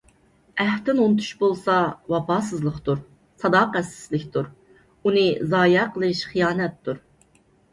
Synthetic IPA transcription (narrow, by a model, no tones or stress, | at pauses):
æht̪ɪnont̪ʰu̥ʃbolˠsɑwɑpɑːs̬ɨzlˠəqt̪uɾ | sɑd̪ɑːqɛsɪ̥zlɪkʲt̪ʰuɾ | unɨzɑːjɛqʰəlˠɨʃχijɑːnɛt̪ːuɾ